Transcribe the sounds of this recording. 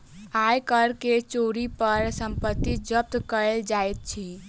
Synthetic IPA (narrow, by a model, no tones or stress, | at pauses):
ajkəɾket͡ʃoɾipəɾsəmpət̪ːid͡ʒəp̚t̪kəɾeld͡ʒajt̪̚t͡ʃʰi